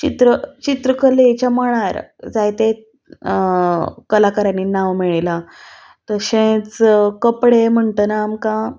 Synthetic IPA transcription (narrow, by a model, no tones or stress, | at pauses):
t͡ɕit̪ɾət͡ɕit̪ɾəkəlet͡ɕaməɭ̃aɾd͡zajt̪e | kəlakəɾanːinaʋmiɭela | t̪əɕẽt͡skəpɽem̤əɳt̪ənaːmkã